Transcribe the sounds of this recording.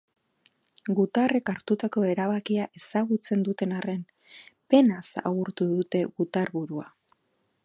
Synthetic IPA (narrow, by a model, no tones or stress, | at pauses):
ɡut̪are̞kaɾt̪ut̪ako̞e̞ɾaβ̞akiaʔe̞saɣut͡se̞nd̪ut̪e̞nare̞n | pe̞nasa̰ɣuɾt̪uðut̪e̞ɣut̪aɾβuɾua̰